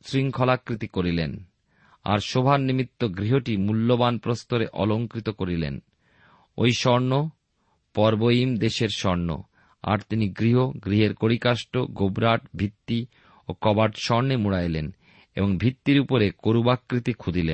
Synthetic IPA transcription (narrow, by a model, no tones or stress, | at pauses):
sɾiŋkʰɔlakɾit̪ikoɾilḛn | a̰ɾʃobʱanimit̪ːoɡɾiɦoʈimulːobanpɾost̪oɾeʔɔ̰loŋkɾit̪okoɾilḛn | o̰jʃɔɾno | pɔɾbojimd̪eʃeɾʃɔɾno̰ | a̰ɾt̪iniɡɾiɦoɡɾiɦeɾkoɾikaʃʈoɡobɾaʈbʱit̪ːi | okɔbaɖʃɔɾnemuɽajlen | ḛboŋbʱit̪ːiɾupoɾekoɾubakːɾit̪ikʰud̪ʱilḛn